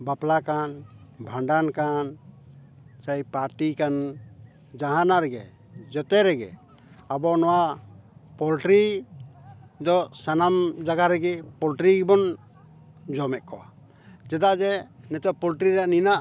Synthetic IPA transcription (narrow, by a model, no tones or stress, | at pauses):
baplakanbʱaɳɖankan | t͡ʃajpaɾʈikan | d͡ʒaɦanaɾɛɡɛ̰ | d͡ʒɔt̪ɛɾɛɡɛ̰ | abɔnɔwa | pɔlʈɾi | d̪ɔsanamd͡ʒaɡaɾɛɡɛpɔlʈɾiɡbɔn | d͡ʒɔmɛʔ̚kɔʔa̰ | d͡ʒɛd̪aʔd͡ʒɛnɛt̪ɔʔ̚pɔlʈɾiɾaʔninaʔ